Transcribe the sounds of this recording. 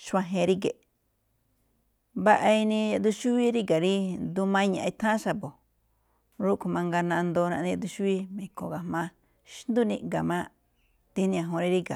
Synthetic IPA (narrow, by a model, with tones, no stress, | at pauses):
ʃã˧ɦẽ˧ɾi˦k̬e˨ | βa˦˧ʔa˧i˧nĩ˧ja˧d̪u˧ʃu˦βi˦ɾi˦ka˨ɾi˦nd̪u˧mã˦˧ɲã̰˨ʔi˧t̪ʰã˦ʃa˧bo˨ | ɾu˦˧ku˧mã˧ŋɡa˧nã˧nd̪o˧nã˧ĩ˧d̪u˧ʃu˦i˦mẽ˨ko˨ɣa˨mã˧ | ʃnd̪u˦nĩ˧ɡa˨mã˧ | t̪i˦nĩ˧ã˧ɦõ˧ɾi˧ɾi˦ka˨